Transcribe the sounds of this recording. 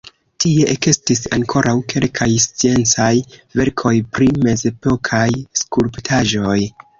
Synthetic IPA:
tie̞ʔekestis̬a̰ŋkʰo̞ɾʔawkʰe̞lkʰajst͡sie̞nt͡sajve̞ɾkʰo̞jpɾime̞ze̞po̞kʰajskuɾptʰaʒo̞j

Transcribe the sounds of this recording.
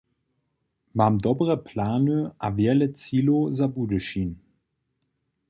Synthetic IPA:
maːmdɔbʁəpʰlaːnəʔaveɛɐlət͡siːlozabuːdəʃiːn

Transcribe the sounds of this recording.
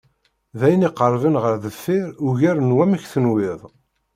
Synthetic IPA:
ðæjəniqːəɾˤvənʁəɾðəfːɪɾuʝæɾnwæmæçθənwɪðˤ

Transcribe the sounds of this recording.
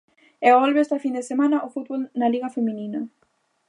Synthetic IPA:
ɛɔlβeɛst̪ɐfind̪esemanɐʔofut̪̚βolnaliɣɐfemĩninɐ

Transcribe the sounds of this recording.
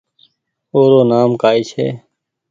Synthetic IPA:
oːɾoːnaːmkaːit͡ʃʰḛː

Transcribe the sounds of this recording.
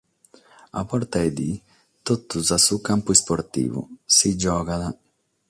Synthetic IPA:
a̰pɔɾt̪aed̪i | t̪ot̪ːuzasukampuɛspoɾt̪ḭːvṵsid͡ʒɔːɡad̪a

